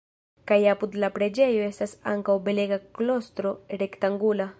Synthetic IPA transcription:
kajapud̪lapɾed͡ʒejoest̪asa̰ŋkawbeleɡaklost̪ɾoɾekt̪aŋɡula

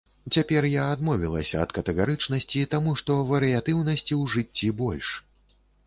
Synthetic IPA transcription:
t͡sʲapʲɛrjaːd̪mɔvʲilˠɐ̰sʲɐːt̪kɐt̪ɛɣaɾɨt͡ʂnɐsʲt͡sʲit̪amuʂt̪ɔvɐɾɨjat̪ɨwnɐsʲt͡sʲiwʐɨt͡st͡sʲːibɔlʲʂ

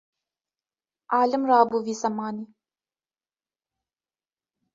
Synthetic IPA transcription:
aːlɨmraːbuviːzɐmaːni

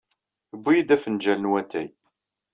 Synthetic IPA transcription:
əbʷːijid̪æfənd͡ʒælənwæt̪ːæ̰j

